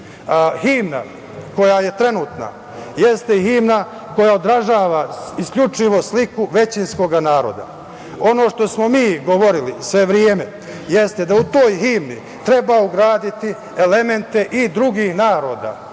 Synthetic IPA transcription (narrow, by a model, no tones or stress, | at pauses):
himna̰ | ko̞jaje̞t̪ɾe̞nuːt̪na̰ | je̞st̪ehiːmna | ko̞jaod̪ɾaʒaːʋaiskʎʲut͡ʃiʋo̞slikuʋe̞t͡ɕinsko̞ɡanaːɾo̞̰d̪a̰ | o̞no̞ʃt̪o̞smo̞miːɡo̞ʋo̞ɾilisʋe̞ʋɾjeːme | je̞st̪ed̪aut̪o̞ːjɦimni | t̪ɾe̞bauɡɾaːd̪it̪i | ele̞me̞nt̪e̞ʔid̪ɾuɡiːhnaːɾo̞ːd̪a̰